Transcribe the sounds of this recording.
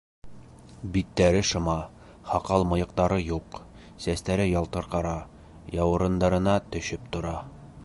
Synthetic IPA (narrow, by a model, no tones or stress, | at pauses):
bit̪ːæɾɘʃɤ̆mɑ | hɑqɑlˠmŏjɤ̆q̚t̪ɑɾɤjuq | sæst̪æɾɘjɑlˠt̪ɤ̆ɾqɑɾɑ | jɑwɤ̆ɾɤ̆nd̪ɑɾɤ̆nɑt̪ɵ̆ɕɵpt̪ŏɾɑ